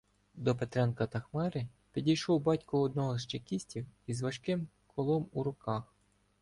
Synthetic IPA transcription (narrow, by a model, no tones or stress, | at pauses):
d̪ɔpet̪ɾɛnkɐt̪ɐxmɛɾɪ | pʲidʲijʃɔwbɑtʲkʊɔd̪̚nɔɦɔzʃt͡ʃekʲisʲtʲiwizʋɐʃkɪm | kʰɔlˠɔmuɾʊkɑx